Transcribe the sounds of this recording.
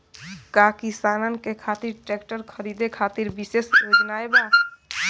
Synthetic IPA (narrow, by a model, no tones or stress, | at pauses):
kakisanənkekʰat̪iɾʈekʈəɾkʰəɾid̪ekʰat̪iɾbisesjod͡ʒnaeba